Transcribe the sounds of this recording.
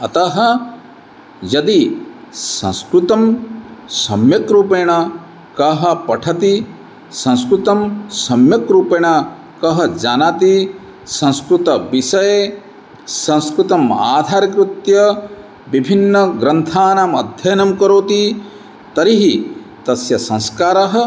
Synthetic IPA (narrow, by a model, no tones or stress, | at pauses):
ɐt̪ɐɦɐ̆ | jɐd̪i | sɐ̰̃nskɾut̪ɐmsɐmjɐkɾuːpeːɳɐ | kɐɦɐ̆pɐʈʰɐt̪i | sɐ̃nskɾut̪ɐmsɐmjɐkɾuːpeːɳ̃ɐ | kɐɦɐd͡ʒaːnat̪i | sɐ̃nskɾut̪ɐʋisɐje | sɐ̃nskɾut̪ɐmaːd̪ʱaːɾɐkɾut̪jɐ | ʋibʱinːɐɡɾɐnt̪ʰaːnaːmɐd̪ʱjɐjɐnɐmkɐɾoːt̪i | t̪ɐɾiɦi | t̪ɐsjɐsɐ̃skaːɾɐɦɐ̆